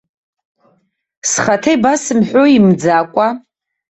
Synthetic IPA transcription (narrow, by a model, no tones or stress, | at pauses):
sχatʰejbasɨmħʷᶣoimd͡zakʷʼa